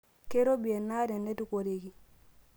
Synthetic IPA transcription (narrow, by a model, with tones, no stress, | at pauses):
ke˦ɾo˦bi˨e˨nːa˦ɾe˨nːe˦tu˦ko˨ɾi˨ɡi˨